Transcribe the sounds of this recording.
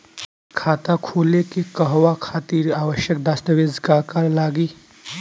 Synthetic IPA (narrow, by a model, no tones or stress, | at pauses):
kʰaːt̪akʰoːlekekəɦʋakʰaːt̪iːɾaːʋəʃjək̚d̪ast̪əʋeːzkaːkaɾlaːɡiː